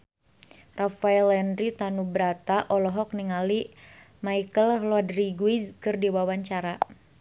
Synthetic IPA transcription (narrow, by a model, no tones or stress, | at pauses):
rafaɛlɛndɾit̪anubəɾat̪aʔɔlɔɦɔk̚niŋali | maikəlɦlɔadriɡuizkɨrdiwawaɲt͡ʃaɾa